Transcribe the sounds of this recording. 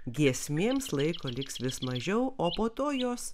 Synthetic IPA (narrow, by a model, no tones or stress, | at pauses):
ɡʲiɛsʲmʲeːmslˠɐɪkoːlʲɪksʋʲɪsmɐʒʲɛʊoːpoːt̪oːjoːs